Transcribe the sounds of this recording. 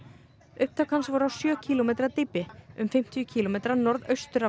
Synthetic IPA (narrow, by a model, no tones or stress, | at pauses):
ʏhp̚t̪aːwkansvɔɾawsjœːcʰiːlomejt̪ɾat̪ɪpːɪʏmfɪm̥t̪ʰijʏcʰiːlomejt̪ɾanɔɾðœɥst̪ʏɾa